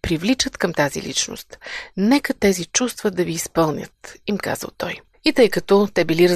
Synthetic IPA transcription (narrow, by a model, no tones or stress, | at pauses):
pɾivlit͡ʃət̪kɐmt̪azḭlḭt͡ʃno̰st̪nɛkət̪ɛzit͡ʃust̪vəd̪ɐviːspɤlˠnʲə̰t̪imka̰zə̰lˠt̪ɔj | it̪ɤjkɐt̪ɔt̪ɛbiliɾ